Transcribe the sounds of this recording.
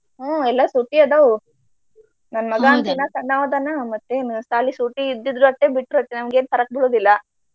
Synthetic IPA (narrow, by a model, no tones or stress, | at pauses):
aɛlːɐsuʈːiɐd̪aʋ | nɐnmɐɡaːnt̪inɐsɐɳːaːʋɐd̪anamɐt̪ːenst̪aːlisuʈːiːd̪ːid̪ɾuɐʈːebiʈɾuɐʈ̪ːenɐmɡeːnt̪ɐɾɐk̚biɭoːd̪ilːɐ